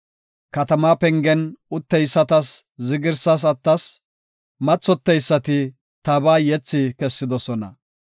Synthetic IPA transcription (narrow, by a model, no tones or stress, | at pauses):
kɐt̪ɐmaːpɛŋɡɛnʊt̪ːɛjsːɐt̪ɐszɪɡɪɾsɐs̬ɐt̪ːɐs | mɐt͡sːɔt̪ːɛjsːɐt̪ɪ | t̪ɐbaːjɛt͡sːɪkɛsːɪd̪ɔsɔnɐ̰